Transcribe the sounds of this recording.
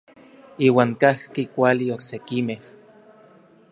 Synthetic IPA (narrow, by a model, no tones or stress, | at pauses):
iːwaːŋkahkikʷalioksekimeh